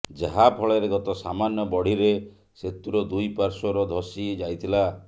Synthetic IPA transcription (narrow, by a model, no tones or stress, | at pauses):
d͡ʒaɦapʰɔɭeɾeɡɔt̪ɔsamanjɔbɔɽ̤iɾe | set̪uɾɔd̪ujpaɾsɔɾɔd̪ʱɔsid͡ʒajt̪ʰila